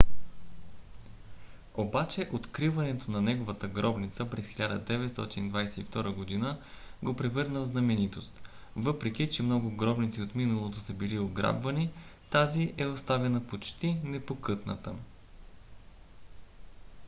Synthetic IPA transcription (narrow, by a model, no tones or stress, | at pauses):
obat͡ʃɛʔot̪kɾivɐnɛt̪onɐnɛɡovət̪əɡɾɔbnit̪səpɾɛsxilʲad̪ə̰d̪ɛvɛt̪st̪ɔ̰t̪inid̪vajsɛift̪ɔɾəɡod̪inəɡopɾɛvɤɾnəvznɐmɛnit̪ost̪ | vɤpɾɛkʲit͡ʃɛmnɔɡʊɡɾɔbnit̪siot̪minɐlˠot̪osəbilioɡɾa̰bvɐnit̪aziʔɛost̪avɛnəpot͡ʃt̪inɛpokɤt̪nə̰t̪ə